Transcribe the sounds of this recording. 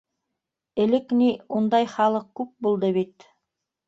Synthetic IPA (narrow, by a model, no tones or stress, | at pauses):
ɘ̆lɘkniund̪ɑjχɑlˠɤq̚kːʉp̚bulˠd̪ɤβit̪